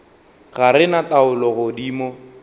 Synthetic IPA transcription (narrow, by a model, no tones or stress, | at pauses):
ɣaɾɪnataʊlɔɣʊdiːmɔ